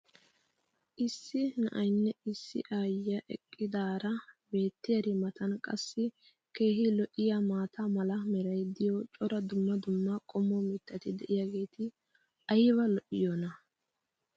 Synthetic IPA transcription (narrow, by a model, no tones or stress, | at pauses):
ʔɪsːɪnɐʔɐjnːɛɪsːɪ̰ʔaːjːɐʔɛ̰kʼːɪd̪aːɾɐbe̞ːt̪ːɪjɐɾɪmɐt̪ɐnkʼɐsːɪ | ke̞ːɦɪlɔʔɪjamaːt̪ʰɐmɐlɐmɛɾɐjd̪ɪjɔt͡ʃʼɔɾɐd̪ʊmːɐd̪ʊmːɐkʼɔmːɔmɪt̪ːɐt̪ɪd̪ɛʔɪjaɡe̞ːt̪ɪ | ʔɐjβɐlɔʔɪjoːnɐ